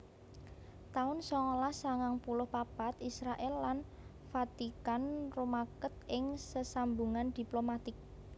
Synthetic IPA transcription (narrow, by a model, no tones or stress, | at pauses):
t̪aʊnsɔŋolahsaŋaŋpulʊhpab̥a̤t̪isɾaʔɛlːan | fat̪ikanromakət̪̚ɪŋsəsambuŋand̪̥i̤plomat̪ɪk̚